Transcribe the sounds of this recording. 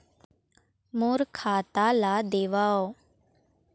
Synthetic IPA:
moːɾkʰaːt̪aːlaːd̪eːʋaːoː

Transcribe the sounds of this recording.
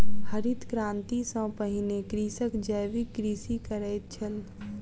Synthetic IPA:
həɾit̪kɾãːnt̪isə̃pəɦɪnekɾiːsəkd͡ʒəjʋikːɾiːsikəɾəjt̪̚t͡ʃʰəl

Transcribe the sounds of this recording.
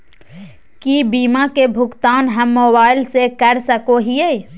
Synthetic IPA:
kibiːmakebʱʊɡt̪aːnɦɐmːoːbaːɪlsekɐɾsəkoɦieː

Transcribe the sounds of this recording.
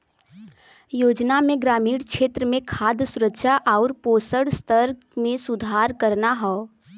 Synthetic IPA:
joːd͡ʒnamẽɡɾaːmiːɽkʃeːt̪ɾəmẽkʰaːd̪sʊɾəkʃaʔɔːɾpoːsəɽst̪ʰəɾ | mẽsʊd̪ʱaːɾkəɾnaɦɛ

